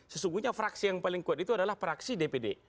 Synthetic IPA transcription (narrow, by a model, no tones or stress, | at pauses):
səsuŋɡuhɲafɾaksijaŋpalɪŋkuat̪it̪uadalahfɾaksidepede